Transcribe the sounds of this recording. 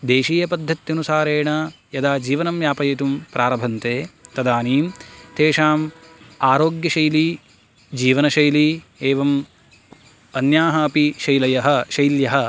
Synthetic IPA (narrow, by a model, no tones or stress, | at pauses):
d̪eːʃiːjɐpɐd̪ʱːɐt̪jɐnusaːɾeːɳɐ | jɐd̪aːd͡ʒiːʋɐnɐmjaːpɐjɐt̪umpɾʔaːɾɐbʱɐnt̪eːt̪ɐd̪aːniːmt̪eːʂaːmaːɾoːɡjɐʃɐjli | d͡ʒiːʋɐnɐʃɐjlieːʋɐm | ɐnjaːɦɐːpiʃɐjlɐjɐɦɐ̆ʃɐjljɐɦɐ̆